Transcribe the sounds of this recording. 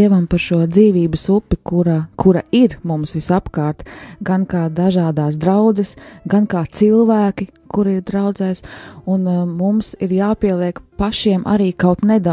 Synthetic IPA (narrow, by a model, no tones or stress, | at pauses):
iɛʋampaɾʃuɔd̪ziːʋiːbəsupːikuɾakʰuɾaiɾmumsʋisapkaːɾt̪ɡankaːd̪aʒaːd̪aːs̬d̪ɾawd̪zɛsɡankaːt̪silˠʋæːkikuɾiɾd̪ɾawd̪zɛjsunmumsiɾjaːpiɛlˠiɛkpaʃiɛmʔa̰ɾiːkawt̪nɛd̪a